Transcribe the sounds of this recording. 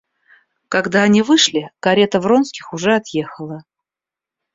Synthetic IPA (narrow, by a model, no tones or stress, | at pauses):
kɐɡd̪aɐnʲivɨʂlʲɪkɐɾʲe̞t̪əvro̞nskʲɪxʊʐɛɐt̪je̞xəlˠə